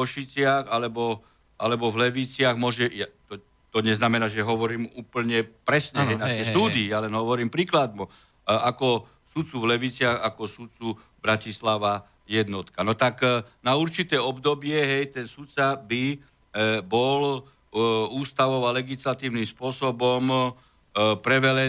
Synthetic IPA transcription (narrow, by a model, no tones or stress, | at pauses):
kɔʃit͡sɪaxalɛbɔ | ʔalɛbɔvlɛʋit͡sɪaɣmʊɔʒɛjat̪ɔ | t̪ɔɲɛznamɛnaːʒɛɦɔʋɔɾiːmuːpl̩ɲɛpɾɛsɲɛɦɛjnakɛsuːd̪ijalɛnɦɔʋɔɾiːmpɾiːklad̪̚mu | akɔ | sut̪t͡suvlɛʋit͡sɪaɣakɔsut̪t͡su | bɾacislaʋa | jɛd̪nɔt̪kanɔt̪aknauɾt͡ʃit̪ɛːɔbd̪ɔbɪɛɦɛjt̪ɛnsut̪t͡sabi | bɔl | uːst̪aʋɔʋalɛɡislat̪iːʊnimspʊɔsɔbɔm | pɾɛʋɛlɛ